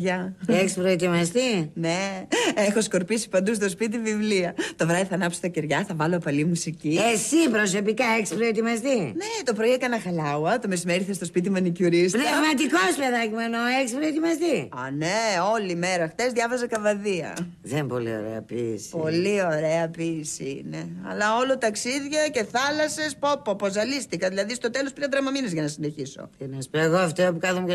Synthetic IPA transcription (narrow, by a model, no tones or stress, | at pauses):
ʝɐeçispɾoet̪imɐst̪ineexo̞sko̞ɾpisi̥pɐnd̪us̬t̪o̞spit̪̬ivivliɐt̪o̞vɾɐðiθɐːnɐpsi̥t̪ɐceɾʝɐθɐvɐlopɐlimusiciesipɾosopikɐeçi̥spɾoet̪imɐst̪inet̪o̞pɾoiekɐnɐxɐlɐwɐt̪omesimeɾiθest̪ospit̪̬imɐnicuɾisɾɐvmɐt̪ikospleðɐcimenoeçispɾoet̪imɐst̪iɐneo̞lime̞ɾɐxθezðʝɐvɐzɐkɐvɐðiɐ̰ | ðempo̞lḭo̰ɾḛɐ̰pispo̞lio̞ɾe̞ɐpisiine̞ɐ̰lɐo̞lot̪ɐksiðʝɐce̞θɐlɐse̞spopːopozɐlist̪ikɐðilɐðist̪o̞t̪e̞lo̞spiɾɐd̪ɾɐmɐminezʝɐnɐsine̞çiso̰cenespoeɣoɐft̪iopukɐθomu